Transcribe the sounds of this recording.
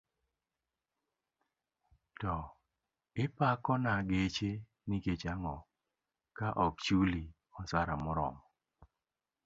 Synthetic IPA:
tɔ | ɪpakɔnaɡet͡ʃe | niket͡ʃaŋɔ | kaʔɔkt͡ʃuli | ɔsaɾamʊɾɔ̰mɔ

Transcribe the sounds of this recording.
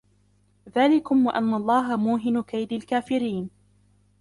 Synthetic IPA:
ðaːlɪkʊmwaʔanːalˤːɑːɦamuːɦɪnkajd̪alkaːfɪɾiːn

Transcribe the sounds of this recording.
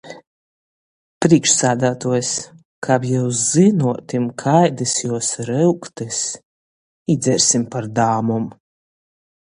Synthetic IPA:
pɾiɛkʃsaːd̪aːt̪uɔjs | kʰaːpjɛwszɨnuɔt̪imkʰajd̪ɨsjuɔsɾɨwkt̪ɛs | id̪zʲɛɾʲsʲimpaɾd̪aːmum

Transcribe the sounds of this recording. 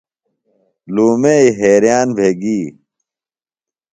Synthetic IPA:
luːmeiɦeːɾijaːnbʱeːɡiː

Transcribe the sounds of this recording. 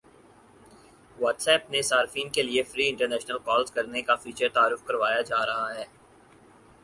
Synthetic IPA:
ʋɔːʈsɛːp̚nesaːɾfiːnkeliefɾiːɪ̃ɳʈəɾnɛːʃnəlkɔːlzkɐɾnekafiːt͡ʃəɾt̪aːɾʊfkɐɾʋaːjad͡ʒaːɾɐɦaɦɛː

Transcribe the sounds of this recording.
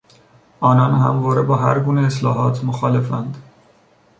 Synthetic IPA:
ɒːnɒːnhæ̰mvɒːɾebɒːɦæɾɡuːneeslɒːɦɒːt̪ʰmoxɒːle̞fænd̪

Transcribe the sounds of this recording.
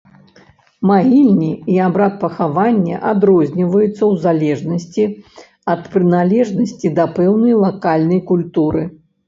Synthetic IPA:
maɣʲilʲnʲiiabɾat̪̚pɐxavanʲːɛ̰ʔad̪ɾɔzʲnʲivɐjut̪sːɐwzalʲɛʐnɐsʲt͡sʲi | ɐt̪pɾɨnalʲɛʐnɐsʲt͡sʲid̪ɐpɛwnɐjlˠakalʲnɐjkulʲt̪uɾɨ

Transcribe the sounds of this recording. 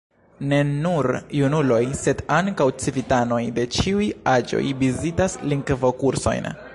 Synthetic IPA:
ne̞nuɾjunulo̞jse̞daŋkawt͡sivitano̞jde̞t͡ʃiujad͡ʒo̞̰jvizitasliŋkvo̞kuɾso̞̰jn

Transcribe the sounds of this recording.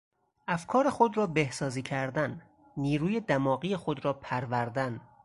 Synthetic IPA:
ʔæfkʰɒːɾexod̪ɾɒːbe̞hsɒːziːcʰæɾd̪ænː | iːɾuːje̞d̪æmɒːɣiːjexod̪ɾɒːpʰæɾvæɾd̪æn

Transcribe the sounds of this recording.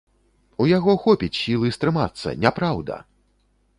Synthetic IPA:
ujaɣɔxɔpʲit͡sʲsʲilˠɨst̪ɾɨma̰t̪sːɐ̰nʲapɾawd̪ɐ̰

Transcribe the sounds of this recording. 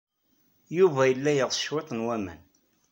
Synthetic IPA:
juvæjəlːæjəʁsə̥ʃwet̪ˤnwæmæ̰n

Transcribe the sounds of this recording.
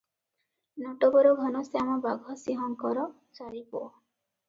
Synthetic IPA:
nɔʈɔbɔɾɔɡʱɔnɔsamɔbaɡʱɦɔsiɦɔŋkɔɾɔ | t͡ʃaɾipoɔ

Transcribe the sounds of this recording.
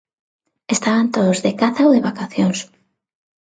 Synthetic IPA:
est̪aβant̪oðozðekaθaoðeβakaθjoŋs

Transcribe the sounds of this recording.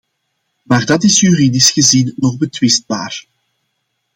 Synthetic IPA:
maːrdɑtɪsjyridɪsxəzinːɔɣbətwɪst̚baːr

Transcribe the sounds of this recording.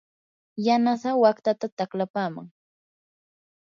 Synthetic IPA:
janasawakt̪at̪at̪aklapaːma̰ŋ

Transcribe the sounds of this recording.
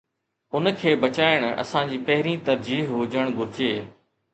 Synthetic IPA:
ʊnkʰeːbɐt͡ɕaːɪɽ̃ɐ̰sãd͡ʑiːpɐɦɪɾĩt̪ɐɾd͡ʑiːɦɦod͡ʑəɽ̃ɡʊɾɪd͡ʑeː

